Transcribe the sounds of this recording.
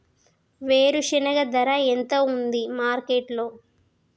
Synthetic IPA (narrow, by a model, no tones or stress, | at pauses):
ʋeːɾuʂinɐɡɐd̪ɐɾɐent̪ound̪imaːɾkeʈlo̞ː